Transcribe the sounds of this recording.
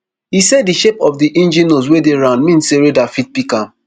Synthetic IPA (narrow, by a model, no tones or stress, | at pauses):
hiseddiʃepɔfdiʔĩnd͡ʒĩnos̬wedeɹãndmĩnseɾedafit̚pikãm